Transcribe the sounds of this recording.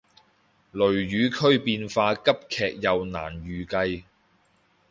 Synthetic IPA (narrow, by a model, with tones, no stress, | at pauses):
lɵ˨˩ɥjyː˨˧kʰɵ˥ɥpiː˧nfaː˧kɐ˥p̚kʰɛː˨k̚jɐ˨wna̰ː˨˩njyː˨kɐ˧j